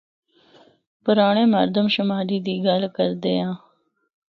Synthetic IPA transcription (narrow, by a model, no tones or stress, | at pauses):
pʊɾaːɳ̃eːməɾd̪əmʃəmaːɾiːd̪iːɡəlkəɾd̪eːãː